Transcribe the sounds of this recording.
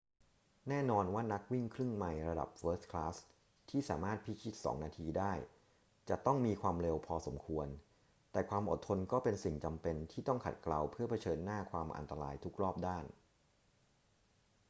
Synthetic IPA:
nɛː˥˩nɔː˧nwaː˥˩na˦˥k̚wi˥˩ŋkʰɾɯ˥˩ŋma˧jɾa˧da̰˨˩p̚fɤː˦˥skʰlaː˦˥s | t̪ʰiː˥˩sa̰ː˩˦maː˥˩t̪̚pʰi˦˥kʰi˦˥t̪̚sɔ̰ː˩˦ŋnaː˧t̪ʰiː˧daː˥˩j | t͡ɕa˨˩t̪ɔ˥˩ŋmiː˧kʰwaː˧mɾe˧wpʰɔː˧so̰˩˦mkʰu˧ən | t̪ɛː˨˩kʰwaː˧mʔo̰˨˩t̪ʰːo˧nkɔː˥˩pe˧nsi˨˩ŋt͡ɕa˧mpe˧nt̪ʰiː˥˩t̪ɔ˥˩ŋkʰa̰˨˩t̪̚kla˧wpʰɯ˥˩ɐpʰa˧t͡ɕʰɤː˧nːaː˥˩kʰwaː˧mʔa̰˧nt̪a˧ɾaː˧jt̪ʰu˦˥k̚ɾɔː˥˩p̚daː˥˩n

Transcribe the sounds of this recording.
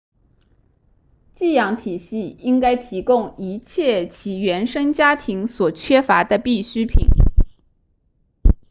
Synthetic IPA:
t͡ɕi˥˩jɑ˧˥ŋt̪ʰi˨˩ɕi˥˩i˥ŋka˥ɪt̪ʰi˧˥kʊ˥ŋi˧˥t͡ɕʰjɛ˥˩t͡ɕʰi˧˥ɥɛ˧˥nʂɤ˥ŋt͡ɕja˥t̪ʰi˧˥ŋswɔ˨˩t͡ɕʰɥɛ˥fa˧˥d̪ə˧pi˥˩ɕy˥pʰḭ˨˩˦n

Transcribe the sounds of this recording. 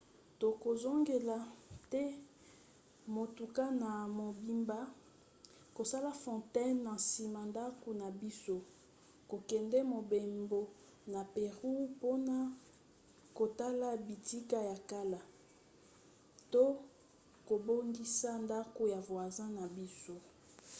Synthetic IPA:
to˨ko˨zo˦ŋɡe˨la˨tɛ˦ | mo˨tu˨ka˦na˨mo˨bi˦mba˦ | ko˨sa˦la˦fɔ̃˨tɛ˦nːa˨si˨ma˨nda˦ko˨na˨bi˦so˦ | ko˨kɛ˨ndɛ˦mo˨be˨mbo˨ | na˨pe˨ʁu˦po˦na˨ | ko˨ta˦la˦bi˨ti˦ka˦ja˨ka˦la˨ | to˦ | ko˨bo˦ŋɡi˦sa˦nda˦ko˨ja˨vwa˨zã˦na˨bi˦so˦

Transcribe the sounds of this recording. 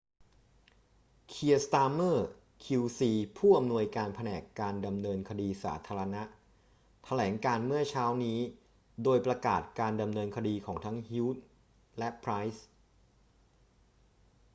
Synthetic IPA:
kʰi˧ɐst̪aː˧mɤː˥˩ | kʰi˧wsiː˧pʰuː˥˩ʔa˧mnu˧əjkaː˧npʰa˧nɛː˨˩kːaː˧nda˧mnɤː˧nkʰa˧diː˧sa̰ː˩˦t̪ʰaː˧ɾa˧na˦˥ʔ | t̪ʰa˧lɛː˩˦ŋkaː˧nmɯ˥˩ɐt͡ɕʰaː˦˥wniː˦˥ | doː˧jpɾa˧kaː˨˩t̪̚kaː˧nda˧mnɤː˧nkʰa˧diː˧kʰɔː˩˦ŋt̪ʰa˦˥ŋhiː˦˥t̪̚ | lɛ˦˥pʰɾa˦˥js

